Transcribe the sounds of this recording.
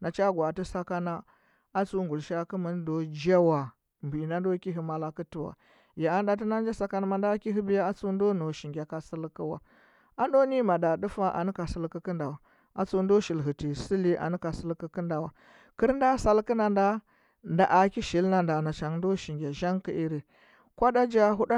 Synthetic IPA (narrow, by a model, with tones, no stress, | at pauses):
na˨t͡ʃa˦ɡwa˨ti˦sa˦ka˦na˦ | a˦t͡su˦ŋɡu˨lʃa˦ki˦mi˨˦n˦do˦d͡ʒa˦wa˨ | mbi˨na˦ndo˦ki˦ɦi˨ma˨la˨ki˦ti˨wa̰˨ | ja˨a˦nda˦t̬i˦na˦n˦d͡ʒa˦sa˦ka˦na˦ma˨nda˦ki˦ɦi˦bi˦ja˦a˦t͡su˦ndo˦no˨ʃi˨ŋɡʲa˨ka˨si˦lki˦wa̰˨ | a˦ndo˦ni˦ma˨da˨du˦fa˦ʔa̰˨ni˦ka˨si˦lki˦kə˦nda˨wa˨ | a̰˨t͡su˦ndo˦ʃi˨lɦi˨ti˨si˦li˦ʔa̰˨ni˦ka˨sə˦lki˦ki˦nda˨wa˨ | ki˦ɾnda˦sa˦lki˦na˨nda˦ | nda˨ʔa˨ki˦ʃi˨lna˦nda˨na˨t͡ʃa˨ŋdo˦ʃi˨ŋɡʲa˨ʒa˦ŋki˦ʔi˦ɾi˨ | kʷa˦da˦d͡ʒa˦ɦu˦ɗa˦